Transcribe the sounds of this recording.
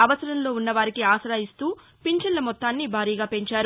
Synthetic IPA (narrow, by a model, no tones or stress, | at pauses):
ɐʋɐsɐɾɐmlo̞ːunːɐʋaːɾikiaːsɐɾaːjist̪uː | piɲt͡ʃɐnlɐmɔt̪ːaːnːibʱaːɾiːɡaːpe̞ɲt͡ʃaːɾu